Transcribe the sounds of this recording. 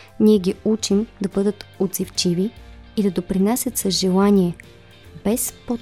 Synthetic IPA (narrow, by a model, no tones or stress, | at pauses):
niɛɡʲiut͡ʃimd̪ɐbɤd̪ət̪od̪zift͡ʃiviid̪ɐd̪opɾinasʲət̪sɐzʒɛlˠanʲiɛ | bɛspo